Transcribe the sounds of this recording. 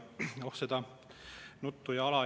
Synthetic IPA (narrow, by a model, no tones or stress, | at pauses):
ohsed̪ɑ | nut̪ːujɑɑlɑ